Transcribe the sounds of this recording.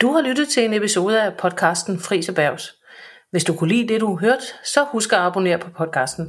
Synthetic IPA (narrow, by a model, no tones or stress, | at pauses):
d̥uhɑ̈lyd̥ð̩ˠt͡sʰe̝le̝nepiso̝ːð̞ˠəæpʰɒ̽d̥̚kʰɑ̈ːsd̥n̩fʁḭːsɒb̥æɐʊ̰s | ʋe̝sd̥ukʰulḭːd̥e̝duɦøɐ̰d̥sɒ̽husɡ̥ɐɑ̈b̥o̝ne̝̰ːɐ̰pʰɒ̽pʰɒ̽d̥̚kʰɑ̈ːsd̥n̩